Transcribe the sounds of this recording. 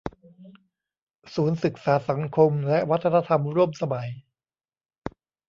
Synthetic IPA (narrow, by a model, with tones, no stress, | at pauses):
suː˩˦nsɯ˨˩k̚saː˩˦sa˩˦ŋkʰo˧mlɛ˦˥ʔwa˦˥t̪ʰːa˧naː˧t̪ʰa˧mɾu˥˩əmsa˧ma˩˦j